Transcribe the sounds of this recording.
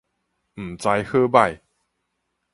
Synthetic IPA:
m̩˨˩t͡sa˧jhɤ˥˧ba˥˧˨j

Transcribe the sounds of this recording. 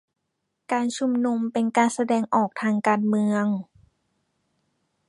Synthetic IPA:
kaː˧nt͡ɕʰu˧mnu˧mpe˧nkaː˧nsa˧dɛː˧ŋʔɔː˨˩k̚t̪ʰaː˧ŋkaː˧nmɯ˧əŋ

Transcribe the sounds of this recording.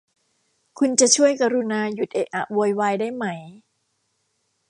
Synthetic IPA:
kʰu˧nt͡ɕa˨˩ʔt͡ɕʰu˥˩əjka˧ɾu˧naː˧ju˨˩t̪̚ʔe˨˩ʔʔa˨˩ʔwoː˧jwaː˧jdaː˥˩jma˦˥˩j

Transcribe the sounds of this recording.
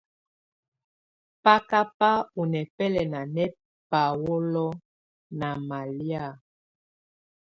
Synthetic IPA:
pa˦ka˦pa˦u˨nɛ˨pɛ˦lɛ˨na˨nɛ˦ | pa˨wo˦lɔ˦ | na˨ma˨lja˦˨

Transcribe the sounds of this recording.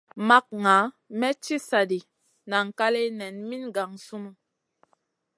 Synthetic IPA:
ma˦k̚ŋa˨˦ | mɛ˦t͡ʃi˦sa˨di˨ | na˨ŋ̩˨ka˦le˦nɛ˨nmi˦nɡa˨ŋsu˦mu˨

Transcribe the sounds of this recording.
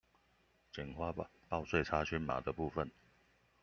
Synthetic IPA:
t͡ɕɛ˨˩nxwa˥˧pɑ˥˧ʊswe˥˨ɪt͡sʰa˥t͡ɕʰy˥nma̰˨˩d̪ə˨pu˥˨fə˨n

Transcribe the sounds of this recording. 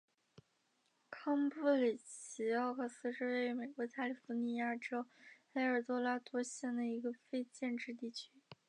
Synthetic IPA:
kʰɑ˥ŋpu˥˩li˨˩t͡ɕʰi˧˥ɑ˥˧ʊkʰɤ˥˩sɹ̩˥ʂɻ̩˥˧we˥˩ɪy˧˥me˨˩ɪkwɔ˧˥t͡ɕja˥˩li˨˩fu˧˥ni˧˩ja˥˩ʈ͡ʂo˥ʊxe˥ɪə˞˨˩t̪wɔ˥la˥t̪wɔ˥ɕjɛ˥˩nd̪ə˩i˧˥ɡə˧fe˥˧ɪt͡ɕjɛ˥˧nʈ͡ʂɻ̩˥˧t̪̬i˥˩t͡ɕʰy˥

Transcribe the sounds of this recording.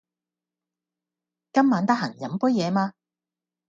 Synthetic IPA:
kɐ˥mːaː˨˧nt̪ɐ˥k̚ɦɐ˨˩ŋjɐ˨˥mpʊ˥jɛː˨˧maː˧

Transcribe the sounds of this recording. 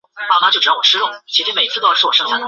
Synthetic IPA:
ɑ˥˩ʊna˥˩t͡ɕo˥˩ʈ͡ʂ̩̪˨˧˩ɑ˥wɔ˨˩ʂɻ̩˥ʊ˥˩ŋt͡ɕʰi˧˥ʂi˥me˨˩ɪi˧˥t͡sʰɹ̩˥˧o˥˩ʂ̩˧˥˩wɔ˨˩ʂɤ˥ŋʰ˥a˥˩d̪ə˨˩

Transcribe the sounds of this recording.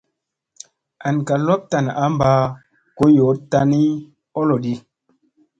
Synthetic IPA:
a˨n˨ka˨lɔ˦p̚ta˨n˨ʔa˨˦m˦ba˦ | ko˦jo˨˦ta˦ni˦ | ɔ˦lɔ˨di˦

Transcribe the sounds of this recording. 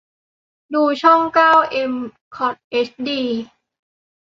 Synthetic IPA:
duː˧t͡ɕʰɔ˥˩ŋkaː˥˩wʔe˧m | kʰɔ˨˩t̪̚ʔe˦˥s̚diː˧

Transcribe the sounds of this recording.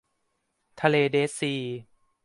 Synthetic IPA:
t̪ʰa˧leː˧deː˦˥siː˧

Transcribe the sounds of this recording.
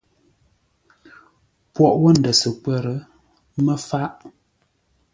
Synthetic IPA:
pwɔ˨ʔwɔ˦n̩˨də˨sə˨kɛ˦˨ɾə˨˦ | mə˦fa˦ʔ

